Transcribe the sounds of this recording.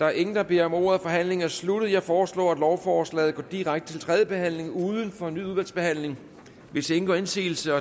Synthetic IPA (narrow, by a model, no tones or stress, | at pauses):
d̥ɑ̈æɐʔe̝ŋn̩d̥ɑ̈b̥e̝ɐɒ̽mo̝̰ːɐðˠfɒ̽ɦæn̰le̝ŋ̩æɐslud̥ð̩ˠjɑ̈ɪfɒːslɔ̰ːæd̥lɒʊfɒːslɛ̰ːð̞̩ˠɡɒ̰ːd̥iʁaɡ̥d̥ə̥t͡sʰelt͡sʰʁɛːðˠjəb̥e̝ɦæn̰le̝ŋuːðˠən̩fɒ̽enːy̰ːuðˠʋælsb̥e̝hæn̰le̝ŋ | ʋe̝see̝ŋn̩ɡ̥ɒ̰ːe̝nsḭːl̩səɒ̽